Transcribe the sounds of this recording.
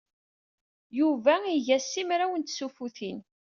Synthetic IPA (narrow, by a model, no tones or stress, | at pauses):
juvæiʝæsːimɾæwənt̪sufuθin